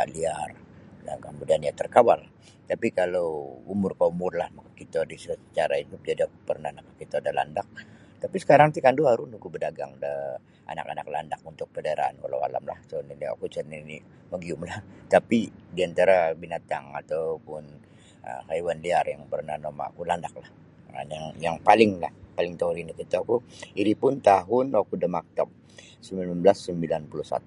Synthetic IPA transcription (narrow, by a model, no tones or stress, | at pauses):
aʔliardaɡambudaanɲat̪ərkawalh | t̪apikaloumʊrkaumʊrlahmakakit̪adisəsət͡ʃaɾaid̪up̚d͡ʒadiakupərnahnakakːit̪adala̰ndak̚ | t̪apisə̥kaɾaŋt̪ikanduaɾunukubədaɡa̰ŋdə | ʔa̰na̰ka̰na̰kla̰ndak̚unt̪ʊk̚pədaɾa̰a̰nkala̰wa̰la̰mla̰hsonilia̰kut͡ʃənini | məɡiʊmlaht̪apidiant̪aɾabinat̪a̰ŋa̰t̪awpʊn | ə̰haiwanliarjaŋpərnahnoma̰kulandak̚lah | a̰njaŋjaŋpalɪŋlahpalɪŋt̪auɾinikit̪aakuiɾipʊnt̪aɦʊnwakudəmak̚t̪ap̚ | səmilanbəlasːəmbilanpuluhsa̰t̪u